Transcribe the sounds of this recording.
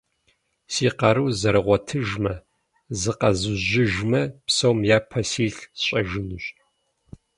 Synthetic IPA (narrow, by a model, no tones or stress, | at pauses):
siːqɐɾɨwzɐɾɨʁʷɔtʰɨʒmɐ | zɨqɐzɨʒɪʒmɐpsɐwmjaːpʰɐsiːɬɕʼɐʒɪnɨɕʼ